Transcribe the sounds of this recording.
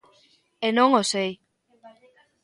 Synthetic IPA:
enoŋosej

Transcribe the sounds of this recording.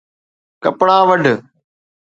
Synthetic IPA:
kəpɽãːʋəɖʱ

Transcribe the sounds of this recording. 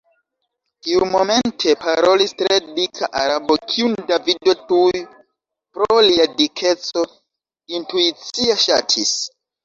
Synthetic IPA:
tiumo̞me̞ntʰe̞paɾo̞listɾe̞dikʰaʔaɾabokʰiundavido̞tuj | pɾoliadikʰe̞t͡so̞ | intuit͡siaʃa̰tʰis

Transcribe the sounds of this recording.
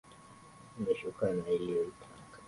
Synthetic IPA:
naʃukanailijoitʰakḁ

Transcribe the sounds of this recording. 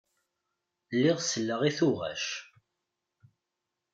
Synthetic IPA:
lːiʁsəlːəʁiθʊʁæ̰ʃ

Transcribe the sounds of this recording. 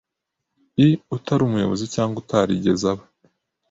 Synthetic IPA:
iutaɾumujo̞̰βo̞zicaːŋɡutʰaɾiɟe̞zaβa

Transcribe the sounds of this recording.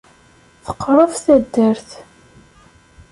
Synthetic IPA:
θə̥qːəɾˤəfθæd̪ːæɾθ

